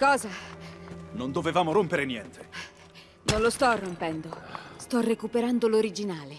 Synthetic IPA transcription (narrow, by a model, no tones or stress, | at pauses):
kɔːza | nond̪ovevaːmoɾompeɾenjɛnt̪ʰe̥ | nonlost̪ɔrːompɛnd̪ost̪ɔrekupeɾand̪oloɾid͡ʒinaːle